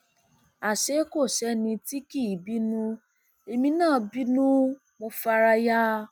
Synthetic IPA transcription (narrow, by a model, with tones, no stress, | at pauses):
a˨ʃe˨˦ko˦˨ʃɛ˨˦nĩ˧ti˦ki˦˨bi˦nũ˦ | e˧mĩ˧nãː˦˨bi˦nũ˦ | mo˧fa˧ɾa˧ja˦